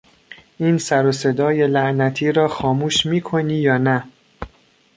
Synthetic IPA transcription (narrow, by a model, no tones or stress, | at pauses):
iːnsæɾose̞d̪ɒːje̞læʔnæt̪ʰiːɾɒːxɒːmuːʃmiːkʰo̞niːjɒːnæ